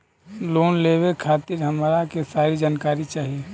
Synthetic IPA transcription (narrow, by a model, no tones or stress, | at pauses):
loːnlebekʰaːt̪ɪɾɦəmɾakesaːɾid͡ʒaːnkaːɾit͡ʃaːɦie